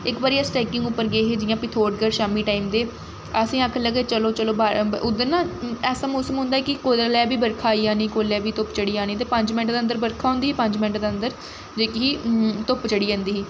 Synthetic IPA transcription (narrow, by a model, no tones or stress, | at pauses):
ɪkbaːɾiːɛsʈɛːkɪ̃ŋɡʊpːəɾɡeːɦeːd͡ʒɪjãːpɪt̪ʰoːʈɡəɾʃaːmiːʈaːiːmd̪eː | əsĩːaːkʰələɡeːt͡ʃəloːt͡ʃəloːbaːʊd̪əɾnãːɛːsaːmoːsəmɦʊ̃nd̪aːkɪkoːllɛːbiːbəɾkʰaːiːaːniːkoːlɛːbiːt̪ʊpt͡ʃəɽiːaːniːt̪̬eːpəɲd͡ʒmɪ̃ɳʈ̚d̪eːənd̪əɾbəɾkʰaːɦõːnd̪iːɦiːpə̃ɲd͡ʒmɪ̃ɳʈd̪eːə̃nd̪əɾ | d͡ʒeːkiɦiːt̪ʊpt͡ʃəɽiːãːnd̪iːɦiː